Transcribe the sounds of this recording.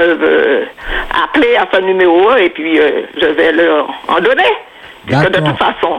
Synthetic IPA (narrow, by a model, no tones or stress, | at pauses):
øø | a̰pleafɛ̃nymeʁoepɥiøʒəvɛləɑ̰̃d̪ɔne | piskəd̪ət̪ut̪fasɔ̃